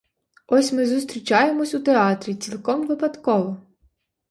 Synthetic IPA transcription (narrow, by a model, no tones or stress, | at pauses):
ɔsʲmɪzʊst̪ɾʲit͡ʃɑje̞mɔsʲut̪eɑt̪ɾʲit͡sʲilˠkɔmʋɪpɐd̪kɔʋɔ